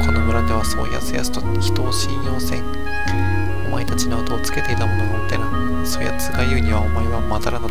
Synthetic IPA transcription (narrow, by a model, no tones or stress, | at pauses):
kʰo̞no̞mɯ̟ɾad̪e̞βaso̞̰ːja̰t͡sɨja̰t͡sɨ̥t̪o | çi̥t̪o̞ːɕĩjjo̞ːsẽ̞ŋ | oma̰et̪at͡ɕinaot̪o̞ːt͡sɨ̥ke̞t̪e̞it̪amo̞no̞mat̪ena | soːja̰t͡sɨɡajɯ̟ːɲ̟iβaomaeβamat̪aɾano